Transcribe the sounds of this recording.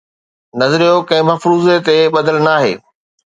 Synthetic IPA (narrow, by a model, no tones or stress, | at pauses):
nɐzɾijokɐ̃ɦɪ̃mɐfɾuːzet̪eɓɐd̪əlnaːɦḛː